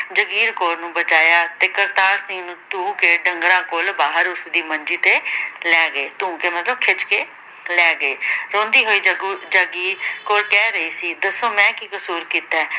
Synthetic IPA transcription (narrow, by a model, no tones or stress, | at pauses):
d͡ʒəɡiːɾkoːɾnũːbət͡ʃaːjaːt̪eːkəɾt̪aːɾsĩːnũːt̪ũːkeːɖəŋɡɾãːkoːlbaːɦəɾʊsd̪iːmənd͡ʒiːt̪eːlɛːɡəeːt̪ũːkeːmət̪ləbkʰɪt͡ʃkeː | lɛːɡəeːɾõːnd̪iːɦoːiːd͡ʒəɡiːkoːɾkɛːɾəiːsiːd̪əsːõːmɛ̃ːkiːkəsuːɾkiːt̪ɛ̃ː